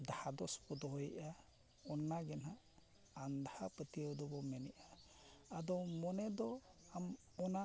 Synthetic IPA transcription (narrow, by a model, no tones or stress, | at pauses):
d̪ahad̪ɔspɔd̪ɔɦɔjʔa | ɔnːaɡɛnaʔ | and̪ahapət̪iəwd̪ɔbɔmɛnɛʔaː | d̪ɔwmɔnɛd̪ɔam | ɔna